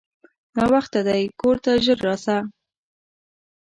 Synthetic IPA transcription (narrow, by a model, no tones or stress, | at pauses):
nɑwaxt̪ad̪ajkoɾt̪aʒəɾːɑsa